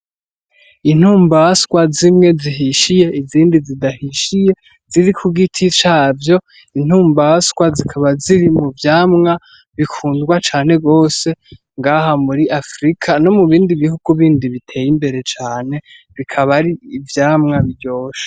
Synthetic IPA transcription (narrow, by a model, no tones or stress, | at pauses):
in̥huːmbaskwazimŋe̞ziɦiʃije̞iziːndizidahiʃije̞ | z̥iɾikʰuɡitʰit͡ʃaːvjo̞ | in̥huːmbaskwazikʰaβaziɾimuvjaːmŋa | βikʰuːndɡwat͡ʃaːne̞ɡo̞ːse̞ | ŋɡaɦamuɾiʔafɾikʰano̞muβiːndiβihuɡ̥uβiːndiβitʰe̞ːjimbe̞ɾe̞t͡ʃaːne̞ | βikʰaβaɾiːvjaːmŋaβiɾɟo̞ːʃḁ